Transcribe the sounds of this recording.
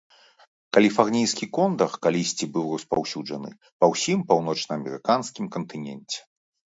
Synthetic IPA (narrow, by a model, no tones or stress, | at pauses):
kɐlʲifarnʲijskʲikɔnd̪ɐxkalʲisʲt͡sʲibɨwrɐspa̰wsʲud͡ʐɐnɨ̰ | pɐwsʲimpawn̪ɔt͡ʂnɐːmʲɛɾɨkanskʲimkɐnt̪ɨnʲɛnʲt͡sʲɛ̥